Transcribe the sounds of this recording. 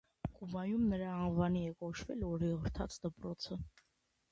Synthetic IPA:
kʼubɑjumnəɾɑːnvɑniɛkɔt͡ʃʰvɛ̰lɔɾiʁəɾt̪ʰɑ̰t͡sʰd̪əpɾɔt͡sʰə

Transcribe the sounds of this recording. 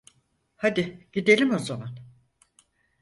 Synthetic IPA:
had̪ɪɟid̪e̞lʲimo̞zaman

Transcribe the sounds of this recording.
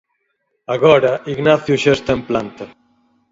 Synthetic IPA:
aɣɔɾaʔiɡnaθjuʃest̪emplant̪ɐ

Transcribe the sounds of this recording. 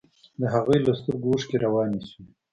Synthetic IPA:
d̪əɦaɣujlast̪upɡuːʂkeɾawɑːnisu

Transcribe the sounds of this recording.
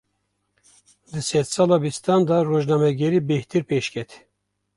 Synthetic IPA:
d̪ɨsɛt̪sɑːlɑbist̪ɑnd̪ɑroːʒnɑːmɛɡɛɾiːbɛht̪ʰɨɾpʰeʃkʰʲɛt̪ʰ

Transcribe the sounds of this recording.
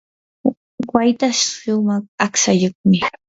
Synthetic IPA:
wajt̪aʃʃʊmɑχaksajoχmɪ

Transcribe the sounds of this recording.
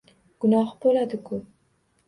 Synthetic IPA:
ɡ̥ʊnɑhbolad̪ɪkʰop̚

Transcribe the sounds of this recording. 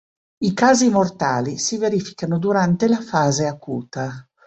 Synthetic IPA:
ikaːzimort̪aːlisiveɾifi̥kanod̪uɾant̪elafaːzeakuːt̪a

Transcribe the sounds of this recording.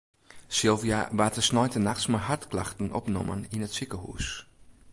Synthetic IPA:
sɪlˠvija̰ʋaːtəsnɔjtənaxtsmaɦartklaxtn̩ɔ̰pnɔ̰mə̰ninətsɪkəhṵːs

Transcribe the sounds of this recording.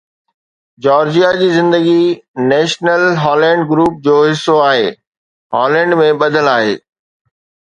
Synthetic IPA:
d͡ʑɔːɾd͡ʑijad͡ʑiːzɪ̃nd̪əɡinɛːʃnəlɦɔːlɛ̃ːɳɖɡɾuːp̚d͡ʑoːɦɪsːoaːɦeː | ɦɔːlɛ̃ːɳɖmẽɓɐd̪ʱəlaːɦḛː

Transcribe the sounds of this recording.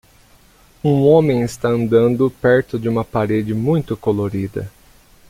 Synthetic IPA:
ũõmẽj̃ɪst̪aɐ̃nd̪ɐ̃nd̪ʊpɛɾt̪ʊd͡ʒɪũmɐpaɾed͡ʒɪmũj̃t̪ʊkoloɾid̪ɐ̰

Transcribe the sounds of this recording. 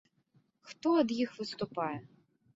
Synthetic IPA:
xt̪ɔɐd̪jixʋɨst̪ʊpɑjɛ

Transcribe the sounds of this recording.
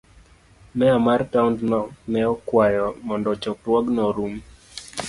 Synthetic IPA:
mɛamartaundnɔnɛɔkwajɔmɔndɔt͡ʃɔkɾwɔɡnɔɾum

